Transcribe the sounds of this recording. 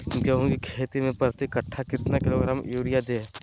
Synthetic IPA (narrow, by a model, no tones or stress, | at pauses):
d͡ʒəɦõɡikʰeːt̪imẽpəɾt̪ikɐʈʰːakɪt̪nakɪloɡɾaːmjuːɾijad̪eː